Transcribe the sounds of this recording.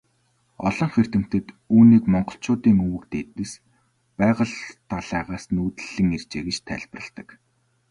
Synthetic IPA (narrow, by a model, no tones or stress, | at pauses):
ɔɮɞ̆ŋxer̥t̪ɘ̆m̥t̪ɘ̆t̪ | uːniːkmɔɴɢɞ̆ɬt͡ɕʊːt̪iːŋuwɘ̆kt̪eːt̪ɘ̆s | pæːʁə̆ɮt̪ʰaɮæːʁaːsnuːt̪ɘ̆ɮɘ̆ŋer̥t͡ɕeːɡet͡ɕt̪ʰæ̰ɮp̆rə̆ɬt̪ə̆k